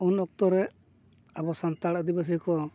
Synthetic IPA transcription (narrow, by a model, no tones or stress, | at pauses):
unɔk̚t̪ɔɾɛ | abɔsant̪aɽaʔd̪ibas̬ikɔ